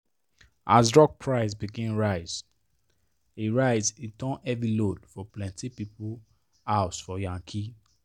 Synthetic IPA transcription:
ʔa̰zdɹɔk̚pʰɹaɪz̬biɡɛ̃nɹaɪz | iɹaɪzitʰɔ̃nɛvilodfɔplɛ̃ntipipul | aʊsfɔjãŋkʰi

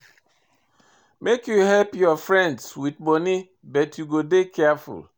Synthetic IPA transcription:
mekjuɦɛlpjɔfɹɛ̃ndswid̚ɡ͡boni | bɛtjuɡodekʰɛafṵl

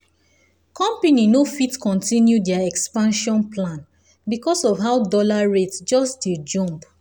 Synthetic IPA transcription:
kʰɔ̃mpeninofitkɔ̃ntĩnjudɛaɛkspãnʃɔ̃nplãn | bikɔsɔvɦaʊdɔlaɹetsd͡ʒɔsded͡ʒɔ̃mp

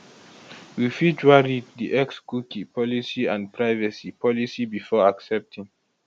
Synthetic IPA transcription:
wifid͡ʒwaɹiddiʔɛkskukipʰɔlisiãndpʰɹajvasipʰɔlisibifɔaksɛp̚tʰĩŋ

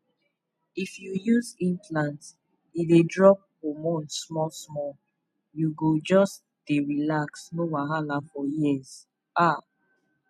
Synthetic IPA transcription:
ifjujuzĩnplãnt | idedɹɔp̚homõnsmɔlsmɔ | juɡod͡ʒɔs | d̥eɹilaksnowaɦalafɔjiɛz | ʔa

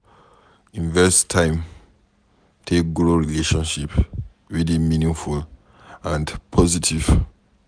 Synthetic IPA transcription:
ĩnvɛstʰãɪ̃m | tʰek̚ɡɹoɹileʃɔ̃nʃip | ɹidĩmĩnĩŋful | ãndpʰɔzitʰiv̥

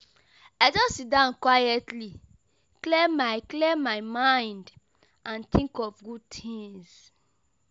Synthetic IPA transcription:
aɪd͡ʒɔssit̚dãʊ̃nkwajɛtʰli | klemaɪklemaɪmãɪ̃nd | ʔãnt̪ĩŋkɔfɡud̚t̪ʰĩŋs

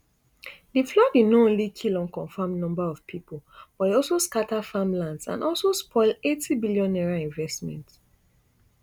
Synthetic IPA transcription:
diflɔdenoõnlikʰilɔ̃nkɔ̃nfãmnɔ̃mbaɔvpʰipolb̥ɔdeɔlsoskatafamlãndsã̰nɔlˠsospʰɔɪletʰibilijɔ̃nɛɹaĩnvɛstmɛ̰̃nt

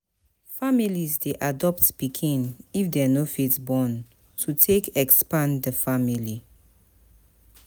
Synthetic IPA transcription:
familizdeʔadɔptpikʰĩnifdɛanofitsbɔ̃n | tʰutʰekɛkspãndəfamili

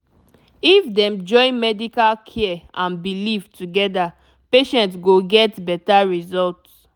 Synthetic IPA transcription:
ifdɛ̃md͡ʒɔ̃ɪ̃nmɛdikalkʰɛʔãnbilivtʰuɡɛda | peʃɛ̃ntsɡoɡɛtbɛtaɹizɔlt

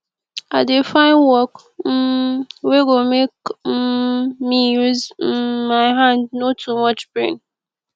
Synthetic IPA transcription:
aɪdefãɪ̃nwɔk | weɡomek | mijuzmaɪɦãndnotʰumʌt͡ʃbɹḛ̃n

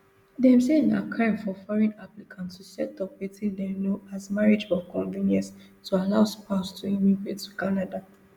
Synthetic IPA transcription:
dɛ̃msẽna̰kʰãɪmfɔfɔɹɛ̃naplikʰãnttusɛtɔpwetʰĩndɛnoazmaɹid͡ʒɔkɔ̃ɱvĩnjɛ̃ns | tʰualaʊspaʊstʰuĩmiɡɹetːukanada

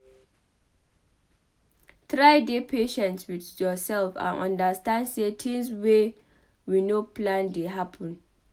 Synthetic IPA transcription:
t̪ɹajdepʰeʃɛ̃ntswidjɔsɛlfã̰nʔã̰ndastãndsetʰĩŋswe | winoplãndeɦapʰɔ̃n

